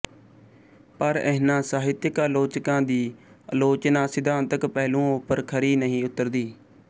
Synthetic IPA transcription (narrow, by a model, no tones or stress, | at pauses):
pəɾɛːnãːsaːɦɪt̪jɪəkəːloːt͡ʃkãːd̪iː | əloːt͡ʃnãːsɪd̪ãːnt̪əkpɛːlũːʊpəɾkʰəɾiːnəɦĩːʊt̪ːəɾd̪iː